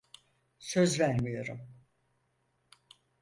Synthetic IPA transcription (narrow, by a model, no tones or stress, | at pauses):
søzvæɾmijo̞ɾum